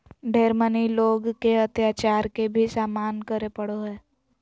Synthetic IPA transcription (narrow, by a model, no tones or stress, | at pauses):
ɖʱeːɾməniloːɡkeɐt̪jaːt͡ʃaːɾkebʱisaːmaːnkəɾepəɽoɦɛː